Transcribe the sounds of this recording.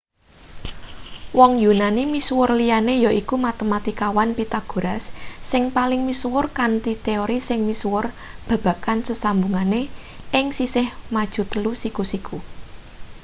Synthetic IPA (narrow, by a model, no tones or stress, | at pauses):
wɔŋjunanimiswʊrlijanejɔʔikumat̪əmat̪ikawanpit̪aɡ̥o̤ɾasːɪŋpalɪŋmiswʊrkant̪it̪eoɾisɪŋmiswʊr | b̥ä̤b̥ä̤kansəsambuŋane | ʔɪŋsisɪhmad̥ʒ̥ṳt̪əlusikusikʰu